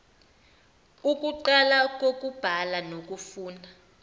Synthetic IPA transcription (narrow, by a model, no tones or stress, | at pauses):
uk̬ʼuǃalak̬ʼok̬ʼub̥ʱalanok̬ʼufuːna